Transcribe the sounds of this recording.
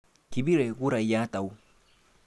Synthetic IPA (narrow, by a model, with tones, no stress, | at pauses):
ki˨bi˦ɾɛ˨ɣu˦ɾa˨i˨ja˦ta˨u˦